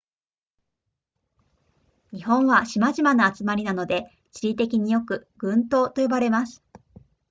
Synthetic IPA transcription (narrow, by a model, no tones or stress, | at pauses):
ɲ̟ihõ̞ɰ̃βaɕimaʑimanaat͡sɨmaɾʲinano̞d̪e̞ | t͡ɕiɾʲit̪e̞kʲiɲ̟ijo̞kɯ̟ɡ̥ɯ̟̃nt̪o̞ːt̪o̞jo̞baɾe̞masɨ̥